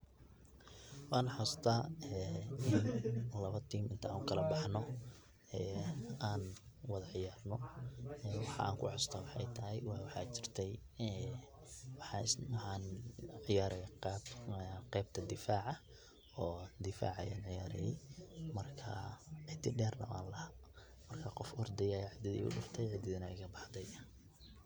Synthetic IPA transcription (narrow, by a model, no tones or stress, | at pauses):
wɑːnħast̪ʰɐɛɪnlɐβɐt̪ʰiːmɪnt̪ʰɐaːŋʊkʰɐlɐbɑħnɔ | ɛːaːnwɑðɐʕɪjaːrnɔɛːwɑħa̰ːŋkʰʊ̰ʕɑst̪ʰɐwɑħɑ̰jt̪ʰɐɦɛjwwɑħɑ̰ːt͡ʃɪrt̪ʰɛj | ɛ | wɑħɑswħɑnʕɪjaːɾɛ | qɛːb̚t̪ʰɐd̪ɪfaːʕɐ | ɔːd̪ɪfa̰ːʕɐjaːnʕɪjaːɾɛjɛjmɐrkʰɐ̰ʕɪt̪ʰɪɖɛːrlɐ̰ma̰ːnlɐhaː | mɐrkʰɐqɔfɔrd̪ɛjɐɛʕɪd̪ɪðḭːʊ̰ɖʊft̪ʰɛjʕɪd̪ɪðɐnɐɛjkʰɐbɑħd̪ɛj